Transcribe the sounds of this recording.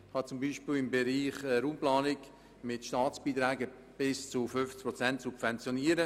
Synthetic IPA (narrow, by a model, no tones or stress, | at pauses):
hɑt͡sʊmbiːʃpiːlɪmbɛɾiːχəɾuːmplɑːnɪk | mɪtʃtɑːt͡sb̥iːtɾɛːɡə | b̥ɪst͡sʊfʏnft͡sprɔt͡sɛntsupvɛnt͡sjoniːəɾə